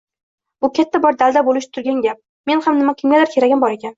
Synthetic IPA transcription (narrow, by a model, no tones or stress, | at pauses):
bʊkʲʰat̪ʰːabɒɾd̪ald̪abolɪʃt̪ʰʊɾɡʲanɡʲap̚ | me̞nhamnɪmakʲʰɪmɡʲalaɾkʲʰe̞ɾaɡʲambɒɾe̞kʲʰan